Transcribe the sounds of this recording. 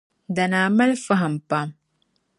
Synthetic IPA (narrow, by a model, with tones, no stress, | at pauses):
da˨naː˨mɐ˦lfa˦ɦa˨mpa˦m